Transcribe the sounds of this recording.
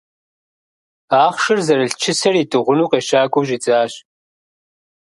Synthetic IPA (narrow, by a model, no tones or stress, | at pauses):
aːχʃɪrzɐɾɨɬt͡ʃʰɪsɐritʼɨʁʷʊnuːqeːʃaːɡʷʼoʒit͡sʼaːɕ